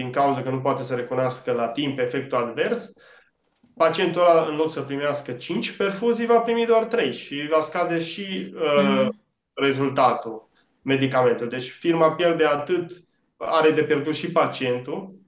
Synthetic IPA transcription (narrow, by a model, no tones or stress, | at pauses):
d̪iŋkauzəkənupoat̪e̞səɾe̞kunoaskəlat̪impe̞fe̞k̚t̪uad̪ve̞rs | pat͡ʃie̞nt̪ulaɨnlo̞d̪səpɾimeaskət͡ʃint͡ʃʲpe̞rfuzijvapɾimid̪oart̪ɾe̞jʃivaskad̪e̞ʃiə | re̞zult̪at̪u | me̞d̪ikame̞nt̪uld̪e̞t͡ʃʲfirmapje̞rd̪e̞at̪ɨt̪ | aɾe̞d̪e̞pjerd̪ut̪ʃipat͡ʃie̞nt̪u